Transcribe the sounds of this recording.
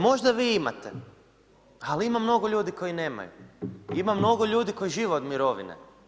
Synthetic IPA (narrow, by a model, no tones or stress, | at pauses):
mo̞ʒd̪aʋiima̰t̪ḛ | aliimamno̞ɡoʎuːd̪iko̞jine̞ːma̰jṵimamno̞ɡoʎuːd̪iko̞jiʒiːʋeod̪miɾo̞ʋḭnḛ